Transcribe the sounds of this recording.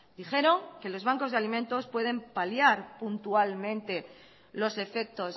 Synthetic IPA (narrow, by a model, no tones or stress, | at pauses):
d̪̥ixe̞ɾo̞ŋke̞lo̞zβ̞aŋko̞zðe̞alimẽ̞nt̪o̞spwe̞ð̞e̞mpaljaɾpunt̪ualmẽ̞nt̪e̞ | lo̞se̞fe̞k̚t̪o̞s